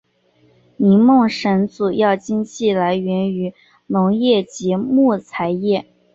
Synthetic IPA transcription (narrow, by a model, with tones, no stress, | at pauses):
ni˧˥mʊ˥˩ŋʂə˧˥nt͡su˨˩jɑ˥˩ʊt͡ɕi˥nɕʰi˥˩la˧˥ɪɥɛ˧˥ny˧˥ | nʊ˧˥ŋjɛ˥˩t͡ɕi˧˥mu˥˩t͡sʰa˧˥ɪjɛ˥˩